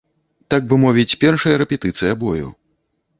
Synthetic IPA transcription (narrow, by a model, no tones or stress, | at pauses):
t̪ak̚vɨmɔvʲit͡sʲpʲɛrʂɐjɐɾɛpʲɛt̪ɨt̪sɨjɐbɔjṵ